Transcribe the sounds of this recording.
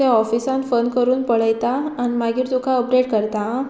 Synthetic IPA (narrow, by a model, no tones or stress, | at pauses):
aɔfisãnfənkəɾuːnpəɭəjt̪aːnimaɡiːɾt̪ukʰaəpɖeʈkəɾt̪a